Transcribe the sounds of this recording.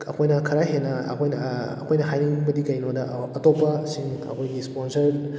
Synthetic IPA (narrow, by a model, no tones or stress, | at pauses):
ɐ̰kʰojnɐkʰɐɾaɦenɐɐ̰kʰojnɐɐ̰kʰojnɐɦajniŋbɐdikɐjnodɐɐtopːɐsiŋɐ̰kʰojɡisponsɐɾ